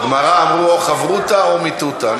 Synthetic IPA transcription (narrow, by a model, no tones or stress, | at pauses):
ɡmaʁaːmʁuoχavʁut̪aomit̪ut̪a